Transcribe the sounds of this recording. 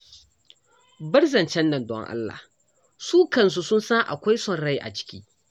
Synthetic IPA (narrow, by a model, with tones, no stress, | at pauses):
bɐ˦rzɐ˨nt͡ʃɛ˦nːɐ˨ndɔ̰˦ŋʔa̰˦lːa̰ː˨ | suː˦kɐ˨ns̬u˦sʊ˦nsaː˦ʔa̰˨kʷa˦jsɔ˦˨nɽa˦jʔa̰˨t͡ʃɪ̥˦kʲḭː˦ʔ